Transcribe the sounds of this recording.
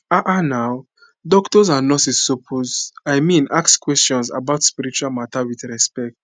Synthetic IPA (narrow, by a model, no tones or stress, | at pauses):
aʔanaʊ | dɔktɔzãnːɔsisːopʰozajmĩnʔakskwɛstɔ̃nsa̰baʊtspiɾit͡ʃualmatawiθɹɛspɛk̚t